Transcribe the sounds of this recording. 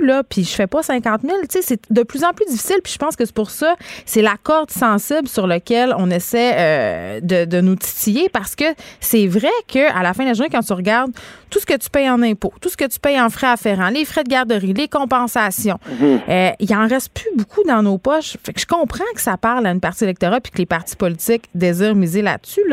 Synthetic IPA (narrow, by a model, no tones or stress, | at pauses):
lʌpʰiʒəfɛpɔsɛ̃kɑ̃t̪mɪlt̪t͡sesɛd̪əplyzɑ̃plydd͡z̪ifi̥sɪlpi̥ʒə̥pɑ̃ːskəspʊʁsɔsɛlakɔʁd̪sɑ̃sɪblsyʁləkʲɛlɔ̃nesɛød̪əd̪ənut̪i̥t̪ijepaʁsə̥kəsɛvʁɛkʰəʔa̰lafɛ̃d̪laʒuʁnekɑ̃t̪yʁəɡʲaʁd̪̚t̪usə̥kət̪y̥pɛjɑ̃nɛ̃pot̪usə̥kət̪y̥pɛjɑ̃fʁɛafeʁɑ̃lefʁɛd̪əɡʲaʁd̪əʁilekɔ̃pɑ̃sasjɔ̃əilɑ̃ʁɛst̪̚pʰybukʰud̪ɑ̃nopɔʃfɛkʒ̥ə̥kɔ̃pχɑ̃kə̥sapaʁlaynpaʁt̪t͡sielɛk̚t̪ɔʁapi̥kəlepaʁt̪t͡si̥pɔlit͡s̪ɪkd̪eziːʁmizela̰syl